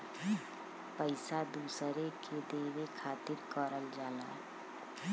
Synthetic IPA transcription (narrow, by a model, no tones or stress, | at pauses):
pəɪsad̪uːsɾeked̪eːwekʰaːt̪ɪɾkɔːɾəld͡ʒaːlaː